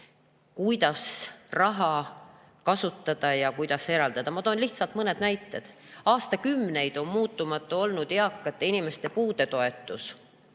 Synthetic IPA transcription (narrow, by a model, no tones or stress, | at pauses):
kujd̪̥ɑsrɑɦɑ | kɑsut̪ːˑɑd̪̥ɑjɑkujd̪̥ɑse̞ɾɑld̪ɑd̪̥ɑmɑt̪o̞ːnliht̪sɑlt̪mɤne̞d̪̥næjt̪ːˑe̞d̪̥ɑːst̪ɑkymːne̞jd̪̥o̞nmuːt̪ˑːumɑt̪ːˑuo̞lnud̪̥eɑkːˑɑt̪ːˑinime̞st̪epuːd̪̥e̞t̪o̞e̞t̪ːˑus